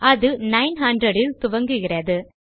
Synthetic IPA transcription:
ɐðɯnɐɪnɦɐndɾɐɽɪlt̪ʊʋɐŋɡɯɣɪrɐðɯ

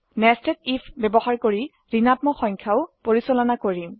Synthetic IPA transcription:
nɛstɛtipʰbebɔxaɹkoɹi | ɹinatmɔxɔŋkʰjaʊpoɹisɔlɔnakoɹim

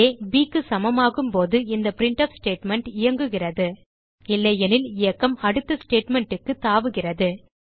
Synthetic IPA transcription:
eːbiːkːɯsɐmɐmaːɣɯmpoːðɯɪnd̪ɐpɪɾɪɳʈɐfsʈeːʈmɛɳʈɪjɐŋɡɯɣɪrɐðɯ | ɪlːɐjɛnɪlɪjɐkːɐmɐɽɯt̪ːɐsʈeːʈmɛɳʈɯkːɯt̪ːaːʋɯɣɪrɐðɯ

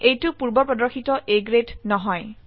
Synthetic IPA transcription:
ejtʊpuɹbɔɹpɹɔdɔɹxʰitɔʔeɡɹetnɔɦɔj

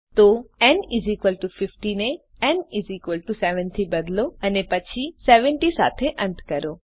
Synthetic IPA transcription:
t̪oɛnizikʋəlʈufɪfʈine | ɛnɪziːkʋəlʈuseʋə̃nt̪ʰibəd̪loənepət͡ʃʰiseʋəɳʈisa̰ːt̪ʰeʔə̃nt̪ʰkəɾoː

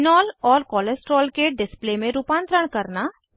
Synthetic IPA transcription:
nɔːlɔːɾkɔːlesʈɾɔːlkeɖɪsplemẽɾupãːnt̪ɾəɽ̃kɐɾna

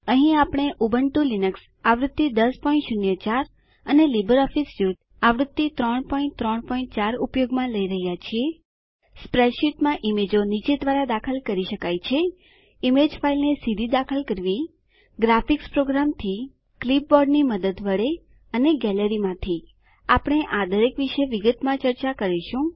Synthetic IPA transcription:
əɦĩapəɽ̃eʔubəɳʈulinəks | aʋɾʊt̪ːid̪əspɔĩɳʈʃʊnjət͡ʃaɾ | ənelibəɾɔfisjut̪ | aʋɾʊt̪ːit̪ɾəɳpɔĩɳʈ̚t̪ɾəɳpɔĩɳʈ̚t͡ʃaɾupjoɡmãləiɾəɦjat͡ʃʰie | spɾeʃiʈmãʔimed͡ʒonit͡ʃed̪ʋaɾad̪akʰəlkəɾiʃəkajt͡ʃʰe | imed͡ʒfailnesid̪ʱid̪akʰəlkəɾʋi | ɡɾafikspɾoɡɾamt̪ʰi | klip̚bɔɾɖniməd̪əd̪ʋəɭe | əneɡɛləɾimãt̪ʰi | apəɽ̃eʔad̪əɾekʋiʃeʋiɡət̪mãt͡ʃəɾt͡ʃakəɾiʃũ

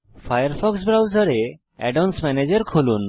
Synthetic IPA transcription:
fʰajəɾfʰɔks̬bɾawzɔɾe | ɛ̰ɖɔnsmɛned͡ʒeɾkʰolun

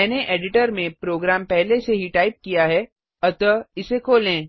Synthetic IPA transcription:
ɛːneʔeːɖɪʈəɾmẽpɾoːɡɾaːmpɛɦleseɦiʈaːɪp̚kijaɦɛ | ɐt̪əɪsekʰoːlẽː

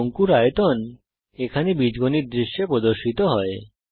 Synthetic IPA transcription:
oŋkuɾajot̪on | ekʰanebid͡ʑɡoniɾd̪ɾiʃːepɾod̪oɾʃit̪oɦɔe

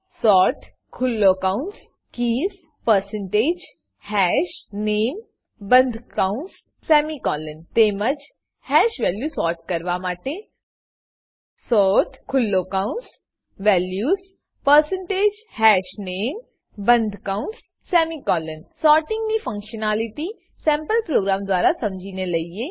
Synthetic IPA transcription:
sɔːɾʈ | kʰulːokãuns | kiːs | pəɾsəɳʈeːd͡ʑ | hɛʃneːm | bənd̪ʱkauns | sɛmikɔːlənt̪eməd͡ʒ | hɛʃʋɛljusɔːɾʈ̚kəɾʋamaʈe | sɔːɾʈkʰʊlːokãʊ̃ns | ʋɛːljuːs | pəɾsə̃ɳʈeːd͡ʒhɛːʃneːm | bə̃nd̪ʱkãʊ̃ns | sɛːmikɔːlənsɔːɾʈɪ̃ŋɡnifʰə̃ŋkʃənaːlɪʈi | sɛ̃ːmpəlpɾoːɡɾaːmd̪ʊaːɾasɐmd͡ʒiːneləie

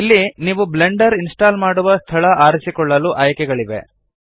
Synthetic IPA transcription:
ilːiniːʋubleɳɖɐɾinsʈaːlmaːɽuʋɐst̪ʰɐɭɐʔaːɾisikɔɭːɐluʔaːjkɛɡɐɭiʋḛ

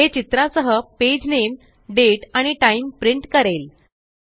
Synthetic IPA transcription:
ɦet͡ɕit̪ɾasəɦəped͡ʑnem | ɖeʈaɽ̃iʈaimpɾiɳʈkəɾel

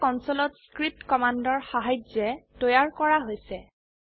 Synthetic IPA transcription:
kɔnsɔlɔtskɹip̚tkɔmandɔɹxaɦajzɛtojaɹkɔɹaɦojsɛ

